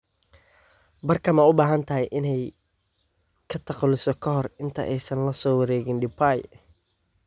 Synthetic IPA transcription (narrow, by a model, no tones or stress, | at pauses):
bɐrkʰɐmɐʊbaːɦɐnt̪ʰɐɦɛjʔɪnɛj | kʰɐt̪ʰɐqlɪsɔkʰɐɦɔrɪnt̪ʰɐ̰ʔɛjsɐnlɐsɔːwɐɾɛːɣɪnɖɪbaj